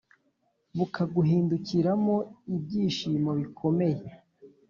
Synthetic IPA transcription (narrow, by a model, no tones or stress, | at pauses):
βukʰaɡuɦiːnduciɾamo̞ib̚ɟiːʃiːmoβikʰo̞me̞je